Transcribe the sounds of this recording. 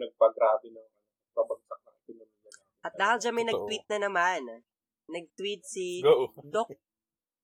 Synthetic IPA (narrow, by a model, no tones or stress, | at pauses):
nɐɡ̚pɐɡɾaːbɪnɐŋɐnoɐɡ̚pɐbɐɡsak̚nɐŋɪkɪnomijɐa | ʔɐt̪d̪aːhɪld͡ʒɐnmɐjnɐɡ̚t̪wit̪̚nɐnɐmanː | ɐɡ̚t̪wit̪̚siod̪ok̚